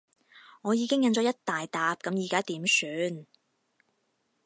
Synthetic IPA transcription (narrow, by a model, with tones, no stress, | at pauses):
ŋɔː˨˧jiː˨˧kɪ˥ŋjɐ˨˧nt͡ʃɔ˨˧˥jɐ˥t̚t̪aː˨jt̪aː˨˧p̚kɐ˨˥mjiː˨kaː˥t̪iː˨˥msyː˨˥n